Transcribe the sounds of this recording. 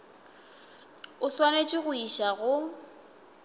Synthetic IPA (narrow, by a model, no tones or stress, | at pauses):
ʊswanet͡ʃʼɪɣʊiʃaɣʊ